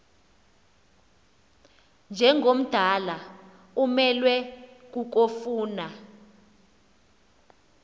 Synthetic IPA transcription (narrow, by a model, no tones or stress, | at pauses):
nd͡ʒʱɛŋɡʱom̩d̥ʱala | umɛlwɛk̬ʼuk̬ofuːna